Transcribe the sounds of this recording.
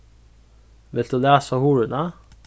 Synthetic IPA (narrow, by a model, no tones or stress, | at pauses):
ʋɪlt̪ʉːlæːsɑhuːɹʉnɑ